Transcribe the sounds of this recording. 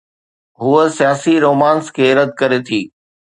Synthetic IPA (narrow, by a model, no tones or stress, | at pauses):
ɦuəsijaːsiɾoːmãːnskʰeːɾəd̪̚kɐɾet̪ʰiː